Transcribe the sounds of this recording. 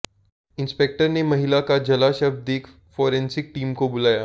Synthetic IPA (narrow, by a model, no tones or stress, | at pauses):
ɪ̃nspek̚ʈəɾnemɐɦɪlakad͡ʒɐlaʃɐbd̪eːkʰ | foːɾɛ̃nsɪk̚ʈiːmkobʊlaːjaː